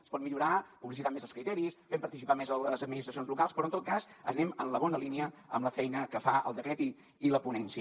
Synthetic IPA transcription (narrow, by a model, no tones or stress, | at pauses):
əspɔt̪miʎuɾapuβlisit̪amezəlˠskɾit̪ɛɾisfempəɾt̪isipamezələzəd̪̚minist̪ɾəsionzlukalˠspɾɔnt̪ot̪̚kazə̰nɛmənləβɔnəliniəə̰mləfɛjnəkəfaə̰lˠd̪əkɾɛt̪i | iləpunɛnsiə